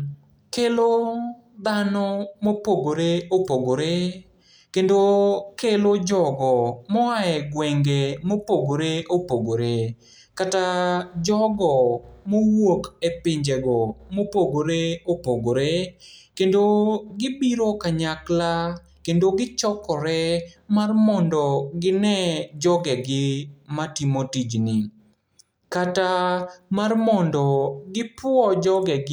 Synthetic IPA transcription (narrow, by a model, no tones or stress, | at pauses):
kelo | d̪anɔmopoɡoɾeopoɡoɾe | kendokelod͡ʒɔɡɔmɔaɛɡwɛŋɡemopoɡoɾeʔopoɡoɾe | katad͡ʒɔɡɔmowokepɪɲd͡ʒɛɡɔmopoɡoɾeopoɡoɾekendoɡɪbiɾokaɲakla | kendoɡɪt͡ʃɔkɔɾɛmarmɔndɔɡɪnɛd͡ʒɔɡɛɡɪmatimotid͡ʒnɪ | katamarmɔndɔɡɪpwɔd͡ʒɔɡɛɡ